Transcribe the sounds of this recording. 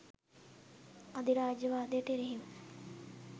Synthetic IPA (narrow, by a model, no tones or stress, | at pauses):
ad̪iɾaːd͡ʒəʋaːd̪ijəʈəeɾeɦim